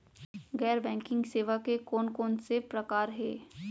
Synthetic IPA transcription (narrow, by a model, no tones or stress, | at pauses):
ɣɛːɾbɛ̃ːŋkɪ̃ŋɡseːʋakekoːnkoːnsepɾɐkaːɾɦɛ̰ː